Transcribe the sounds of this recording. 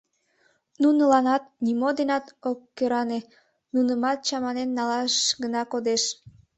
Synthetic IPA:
nunəlɑnɑt̪̚nimod̪enɑt̪okːøɾɑne | nunəmɑt̪̚t͡ɕɑmɑnenːɑlɑʃɡənɑkod̪eʃ

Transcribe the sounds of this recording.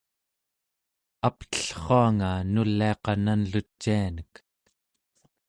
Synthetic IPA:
apt̪ə̥ɬχoaŋanulːiɑqɑnanlut͡ʃːianək

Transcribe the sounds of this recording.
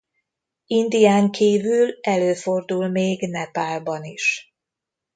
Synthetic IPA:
ind̪ijaːŋkʰiːvylɛløːfo̞rd̪ulmeːɡnɛpaːlbɒniʃ

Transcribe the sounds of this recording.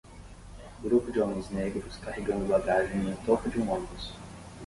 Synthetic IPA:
ɡɾupʊd͡ʒɪomẽj̃zneɡɾʊskaheɡɐ̃nd̪ʊbaɡaʒẽj̃nʊt̪opɐd͡ʒɪũõbʊs

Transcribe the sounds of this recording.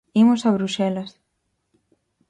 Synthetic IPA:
imʊsaβɾuʃɛlɐs

